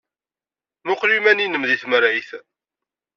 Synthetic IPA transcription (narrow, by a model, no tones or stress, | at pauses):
mʊqlimæninəmðiθməɾajθ